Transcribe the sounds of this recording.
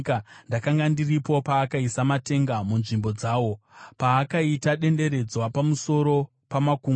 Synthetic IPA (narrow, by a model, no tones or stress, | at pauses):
kandakaŋɡandiripo̞paːkaisamate̞ŋɡamunʐimbo̞d͡zaːwo̞paːkaitaɗe̞nde̞ɾe̞d͡zwapamuso̞ɾo̞ | pamakuːŋɡ